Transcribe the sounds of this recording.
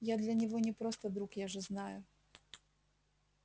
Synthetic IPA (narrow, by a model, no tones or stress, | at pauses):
jad̪lʲɐnʲɪvɔnʲɪpɾɔst̪ɐd̪ɾukjaʐɛznajʊ